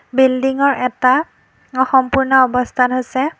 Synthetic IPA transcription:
bildiŋɔɹʔɛta | ɔxɔmpuɹnɔɔbɔstʰatɦojsɛ

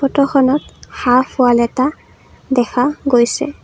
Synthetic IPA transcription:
ɔtɔxɔnɔthaɹpʰʊalɛta | dɛxʰaɡojsɛ̰

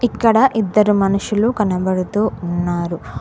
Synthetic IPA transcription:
ikːɐɽɐʔid̪ːɐɾumɐnuʃulukɐnɐbɐɽut̪uːnːaːɾu

